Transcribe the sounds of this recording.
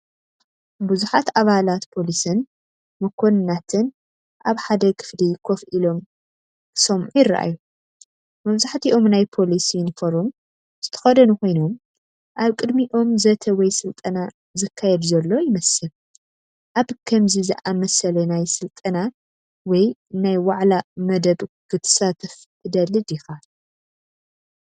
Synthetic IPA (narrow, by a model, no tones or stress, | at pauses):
buzuħat̪ʔaβalat̪pʰo̞lisɨn | mɐkʰo̞nɨnːat̪ʰɨn | ʔaβħad̪ɐkʰɨ̥flikʰo̞fʔilo̞m | sɐmʕujɪrːa̰ʔa̰ju | mɐβzaħt̪ʰiʔo̞mnajpʰo̞lisinɨfɐɾum | z̥ɨt̪ʰɐ̥xɐd̪ɐnukʰo̞jnom | ʔaβkʼɨd̪miʔo̞mzɐt̪ʰɐwɔjsɨlt̪ʼɐna | zɨkʰːajɛd̪zɐlːo̞jɪmɐsɨl | ʔaβkʰɐmzizɨʔamɐsɐlɐnajsɨlt̪ʼɐna | wɔjnajwaʕlamɐd̪ɐβɡʰɨt̪ʰɐ̥sat̪ʰɐf | t̪ʰɨd̪ɐlɨd̪ixa